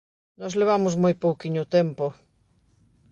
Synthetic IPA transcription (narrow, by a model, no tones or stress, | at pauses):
nɔzleβ̞amʊzmojpowkiɲʊt̪empo